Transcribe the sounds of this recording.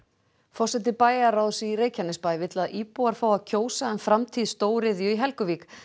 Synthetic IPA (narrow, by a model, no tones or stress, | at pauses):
fɔr̥sɛt̪̬ɪpaːjaɾawðsiɾeːjcʰanːɪspaːjvɪt̪laðʔiːpuaɾ̥faːwaðcʰoːwsaɛnfɾamt̪ʰiːðst̪oːwɾɪðjʏiɦɛlkʏviːk